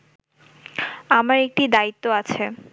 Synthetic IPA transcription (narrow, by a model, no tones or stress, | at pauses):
amaɾek̚ʈid̪ait̪ːoat͡ɕʰe